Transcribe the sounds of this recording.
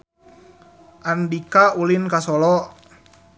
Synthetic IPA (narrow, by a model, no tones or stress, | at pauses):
ʔandikaulinkasɔlɔ